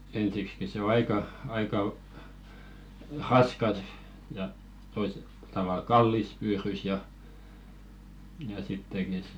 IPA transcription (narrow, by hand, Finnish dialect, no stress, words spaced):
ensikski se o ɑikɑ ɑikɑ rɑskɑs jɑ toise tɑʋɑˑl kɑlːis pyːrys jɑ jɑ sitːeki